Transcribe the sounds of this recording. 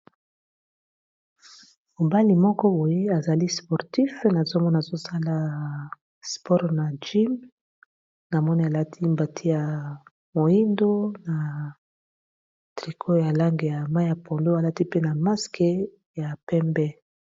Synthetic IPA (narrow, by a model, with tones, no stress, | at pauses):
mo˨ba˦li˨mɔ˦kɔ˦bo˨je˦a˨za˨li˦spɔ˨ʁti˦fna˨zo˦mɔ˦n˨a˨zo˦sa˦la˦ | spɔ˦ʁna˨d͡ʒi˦m | na˨mɔ˦ni˦a˨la˦tʰi˦mba˨tʰi˦ja˨ | mo˨i˦ndo˦na˨ | tʁi˨kʰo˦ja˨la˦ŋɡe˨ja˨ma˦a˨pʰo˨ndo˦a˨la˦ti˦pe˦na˨ma˦ske˦ | ja˨pɛ˦mbɛ˦